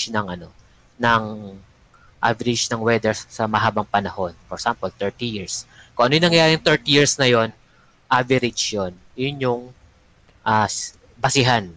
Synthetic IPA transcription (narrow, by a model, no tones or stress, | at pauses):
nɐŋʔɐno̞ | nɐŋ | ʔa̰vɛɾɪd͡ʒnɐŋwɛd̪ɛɹsɐmɐɦaːbɐŋpɐnɐho̞nfɔɾsampolt̪ɛɹt̪ijiɹskoʔɐnojʊnɐŋjɐjaːɾɪjʊŋt̪ɛɹt̪ijiɹsnɐjo̞n | ʔavɛɾɪd͡ʒjon | jʊnjʊŋ | ʔas | bɐsɪɦan